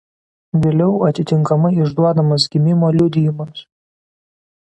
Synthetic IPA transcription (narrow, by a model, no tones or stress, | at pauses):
ʋʲeːlʲɛʊɐt̪ʲɪt̪ʲɪŋkɐmɐɪɪʒd̪uɔd̪ɐmɐs̬ɡʲɪmʲɪmoːlʲʊd̪ʲɪjɪmɐs